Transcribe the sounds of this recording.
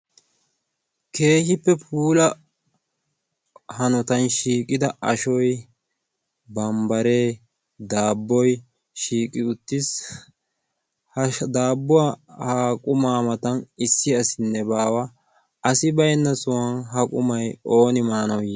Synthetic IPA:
kʰe̞ːhɪpːɛpʰuːlɐ | hɐnɔt̪ɐnʃiːkʼɪd̪ɐʔɐʃɔj | bɐmbɐɾe̞ː | d̪aːbːɔj | ʃiːkʼɪʊt̪ːɪs | hɐd̪aːbːɔahaːkʼʊmaːmɐt̪ɐnɪsːɪɐsɪnːɛbaːwɐ | ɐsɪbɐjnːɐsʊwɐnɦɐkʼʊmɐjo̞ːnɪmaːnɐwj

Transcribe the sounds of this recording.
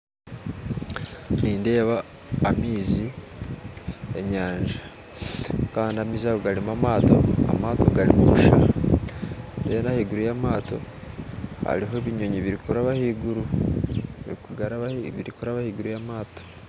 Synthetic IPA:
niːnde̞ːβaː | miːzi | e̞ɲaːɲʒa | kaːndiamiːzaβoɡaɾimamaːto̞̰a̰maːto̞̰ɡaɾimuβuʃa̰ɾ | ndejenahiɡuɾujamaːto̞̰ | ha̰ɾiɦo̞βiɲo̞ɲiβiɾikuɾaβahiɡuɾu | iɡaɾaβiɾikuɾaβahiɡuɾujamaːto̥

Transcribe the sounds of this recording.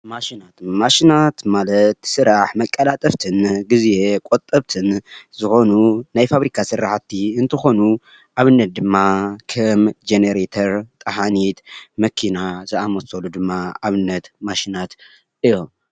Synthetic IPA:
maʃinat̪maʃinat̪malɐt̪sɨɾaħmɐkʼːɐlat̪ʼɐft̪ʰɨnɡɨze̞kʼot̪ʼɐβt̪ʰɨnzɨxo̞nunajfaβɾikʰasɨrːaħat̪ʰːiɨnt̪ʰɨxo̞nu | ʔaβɨnːɐt̪̚d̪ɨmːakʰɐmd͡ʒeneɾet̪ʰɐɾt̪ʼɐɦanit̪mɐkʰinazɐamɐsolud̪ɨmːaaβɨnːɐt̪maʃinat̪ | ʔɨjːom

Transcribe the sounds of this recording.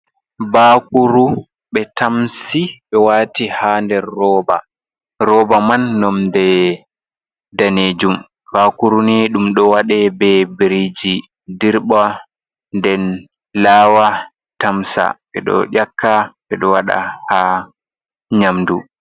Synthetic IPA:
baːkuɾu | ɓɛtamsiɓɛwaːtihandɛɾːɔːba̰ | ɾɔːbamanːɔmdɛ | daneːd͡ʒum | b̥akuɾuniɗumɗɔwaɗɛbɛbɾid͡ʒi | diɾɓa | ndɛn | laːwa | tamsa̰ɓɛɗɔ̰ɗʲakʰːaɓɛɗɔwaɗa̰ha | ɲamdu

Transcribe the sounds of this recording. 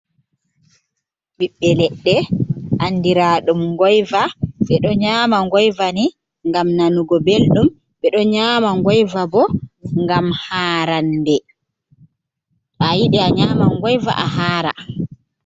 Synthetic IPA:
ɓiɓːɛlɛɗːɛʔandiɾaɗumŋɡɔjvasɛɗɔɲaːmaŋɡɔjvani | ŋɡamnanuɡɔbelɗum | ɓɛɗɔɲaːmaŋɡɔjvabɔŋɡamhaːɾandɛ | ʔajiɗɛaɲaːmaŋɡɔjva̰ʔaɦaːɾa̰

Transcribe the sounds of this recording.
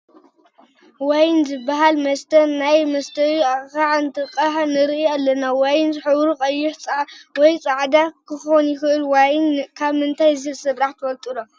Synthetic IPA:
wajnzɨbaɦalmɐst̪ʰɐnajmɐst̪ʰɐwiaaʕɨnt̪ʰɨqʼːaħnɨɾʔijalːɐnawajnzɨħɨβɾukʼɐjːʊħt͡sʼawɔjt͡sʼaʕd̪akʰɨxonjɪxɨʔɨlwajnkʰaβmɨnt̪ʰajzɨsɨβɾaħt̪ʰwɐlt̪ʼulo

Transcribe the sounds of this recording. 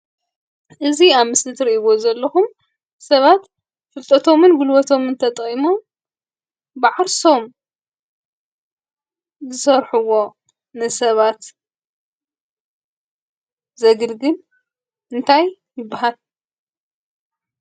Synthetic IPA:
ʔɨziaβmɨslɨt̪ʰɾiʔiβozɐlːɐxum | sɐβat̪ | fɨlt̪ʼɐt̪ʰo̞mɨnɡulwɔt̪ʰo̞mɨnt̪ʰɐt̪ʼimo̞m | bɨʕaɾso̞m | zɨsɐɾħuwːo̞ | nɨsɐβat̪ | zɐɡɨlɡɨn | ɨnt̪ʰaj | jɪbːaɦal

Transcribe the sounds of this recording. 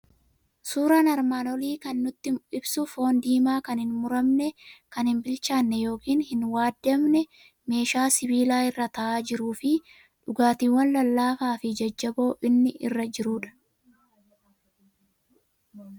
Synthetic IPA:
suːɾaːnɐɾmaːnɔliːkɐnːʊt̪ːɪɪbsʊfo̞ːnd̪iːmaːkɐnhɪnmʊɾɐmnɛkɐnhɪnbɪlt͡ʃaːnːɛjo̞ːkiːnhɪnwaːd̪ːɛmnɛ | me̞ːʃaːsɪbiːlaːɪrːɐt̪ɐʔaːd͡ʒɪɾuːfɪ | ᶑʊɡaːt̪iːwːɐnlɐlːaːfaːfɪd͡ʒɐd͡ʒːɐbo̞ːʔɪnːɪʔɪ̰rːɐd͡ʒɪɾuːᶑɐ̥

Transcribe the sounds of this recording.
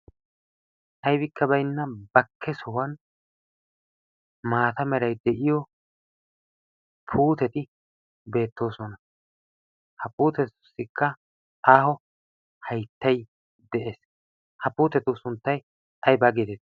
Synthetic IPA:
ʔɐjbɪkʰːɐbɐjnːɐbɐkʰːɛsʊwɐn | maːt̪ɐmɛɾɐjd̪ɛʔɪjɔ | pʰuːt̪ɛt̪ɪ | be̞ːt̪ːo̞ːsɔnɐ | hɐpuːt̪ɛʊ̥sːɪkːɐ | aːhɔ | hɐjt̪ːɐj | d̪ɛʔeːs | hɐpuːt̪ɛt̪ʊsʊnt̪ːɐj | ɐjbɐɡet̪ɛt̪

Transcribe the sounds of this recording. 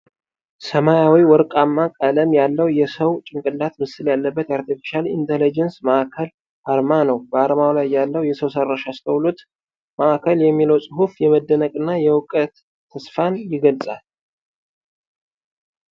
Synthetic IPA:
səmajawiwɔɾkʼamːakʼələmjalːəwjɛsəwt͡ʃʼɪŋkʼɨlːat̪mɨsɨljalːəbːət̪jaɾt̪ifi̥ʃalḭnt̪ʰelid͡ʒɛnsməʔakʰəl | ʔaɾmanəwbəaɾmawlajːalːəwjɛsəwsərːaʃast̪ʰəwlut̪ | məʔakʰəljɛmːiləwsʼɨɦufjɛməd̪ːənəkʼɨnːajɛwʊkʼət̪ʰː | əsfanjɪɡəlsʼa̰l

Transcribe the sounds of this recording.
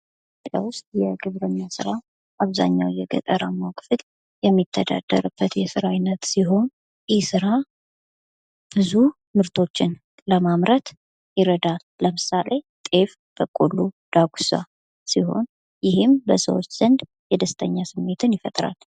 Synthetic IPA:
tʰopʼːja̰wʊst̪̚ʼjɛɡɨβɾəɲːasɨɾa | ʔaβza̰ɲːawjɛɡə̰t̪ʼəɾamawkʼfɨl | jɛmːit̪ʰːəd̪a̰d̪̥ːə̰ɾɨb̥ːət̪jɛsɨɾajnət̪siɦo̞n | jɪhsɨɾa | b̥ɨzu | mɨɾt̪ʰo̞t͡ʃːɪn | ləmamɾət̪ | jɪɾəd̪alːəmɨsalʔe̞t̪ʼe̞f | b̥əkʼolːud̪̥aɡʷusa̰ | siho̞̰n | jɪɦɪmbəsə̰wot͡ʃːz̥ənd̪ | jɛd̪əst̪ʰəɲːasɨmːe̞t̪ʰɨnjɪfət̪ʼɾa̰l

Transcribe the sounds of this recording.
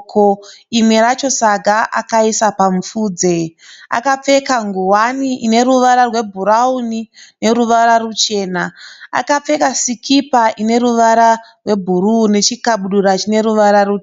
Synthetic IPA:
kʰoimwe̞ɾat͡ʃo̞saɡʱaʔa̰kaisapaɱufuːd͡ze̞a̰kap͡fe̞kaŋɡuwaniʔine̞ɾuʋaɾarwe̞bʱuɾaunine̞ɾuʋaɾarut͡ʃe̞ːnaa̰kap͡fe̞kasikʰipaʔine̞ɾuʋaɾarwe̞bʱurune̞t͡ʃikaɓuɗuɾat͡ʃine̞ɾuʋaɾaru

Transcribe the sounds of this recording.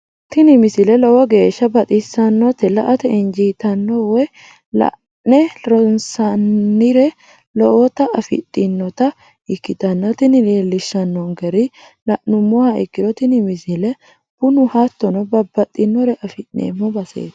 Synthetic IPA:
t̪ɪnɪmɪsɪlɛlɔwɔɡe̞ːʃːɐbɐt̪ʼɪsːɐnːɔt̪ɛlɐʔɐt̪ɛɪnd͡ʒiːt̪ɐnːɔwɛ | lɐ̰ʔ | nɛɾɔnsɐnːɪɾɛ | lɔʔɔt̪ɐʔɐfɪ̰t̪ʼːɪnːɔt̪ɐ | ɪkːɪt̪ɐnːɔt̪ɪnɪɾeːlːɪʃːɐnːɔŋɡɛɾɪ | lɐʔnʊmːɔhɐʔɪkːɪɾɔt̪ɪnɪmɪsɪlɛ | b̥ʊnʊhɐt̪ːɔnɔbɐbːɐt̪ʼːɪnːɔɾɛʔɐfɪʔnḛːmːɔbɐsḛːt̪

